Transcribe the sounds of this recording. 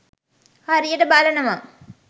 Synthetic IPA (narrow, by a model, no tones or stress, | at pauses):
hɐɾijɐɖɐbaːlɐnɐma